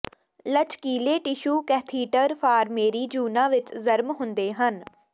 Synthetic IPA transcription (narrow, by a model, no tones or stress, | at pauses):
lət͡ʃkiːleːʈɪʃuːkɛːt̪ʰiːʈəɾpʰaːɾmeːɾiːd͡ʒuːnãːʋɪt͡ʃzəɾmɦʊnd̪eːɦən